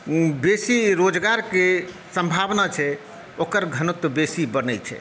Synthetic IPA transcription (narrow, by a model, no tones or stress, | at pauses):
besiɾod͡ʒɡaɾke | səmbʱabnat͡ʃʰɛ | okəɾɡʱənut̪besibənət͡ʃʰɛ̰